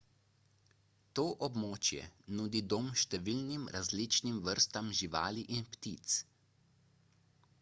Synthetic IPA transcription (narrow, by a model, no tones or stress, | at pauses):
t̪oːʔɔbmoːt͡ʃjɛ̰nuːd̪id̪oːmʃt̪ɛʋiːlnimɾʔazlit͡ʃnimʋəɾst̪amʒiʋa̰ːliʔinpt̪iːt̪s